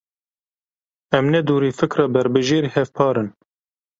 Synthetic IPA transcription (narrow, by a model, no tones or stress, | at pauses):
ɛmnɛd̪uːɾiːfɨkɾɑːbɛɾbɨʒeːɾihɛvpʰɑːɾɨn